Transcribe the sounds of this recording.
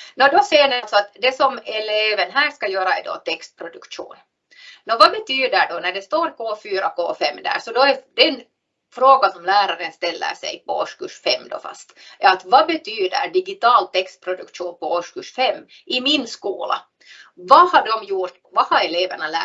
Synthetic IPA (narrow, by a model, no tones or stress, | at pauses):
nɔd̪ɔsejːɳɪalsɔat̪d̪ɛsɔmɛleːvənɦæːskɑjøːɾaɛ̰d̪ɔ̰t̪ɛkst̪̚pʰɾʊd̪ɵkʂṵːn | nɔvɑbɛt̪ʰyːd̪əɖɔnæɖɛst̪oːɾkoːfyːɾako̰ːfɛmːd̪æ̰ːʂɔd̪ɔɛd̪ɛn | fɾoːɡasɔmlæːɾaɾənst̪ɛlːə̰ʂɛ̰jpɔ̰o̰ʂkʉʂfɛmːd̪ɔ̰fɑ̰st̪ɛɾat̪vɑbɛt̪yːd̪ə̰ɾɖɪɡɪt̪ɑːlt̪ɛkst̪̚pʰɾʊd̪ɵkʂuːnpɔoʂkʉʂfɛmː | ʔɪmɪnskuːla̰ | vɑhaɖɔmjuːɾt̪vɑhɑɾɛleːvəɳalæ̰ː